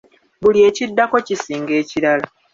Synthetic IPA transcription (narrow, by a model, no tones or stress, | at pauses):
bulie̞ːcidːako̞cisiːŋɡe̞ːciɾala